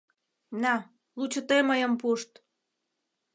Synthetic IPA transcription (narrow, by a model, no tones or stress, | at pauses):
nɑ | lut͡ɕə̆t̪eməjə̆mpuʃt̪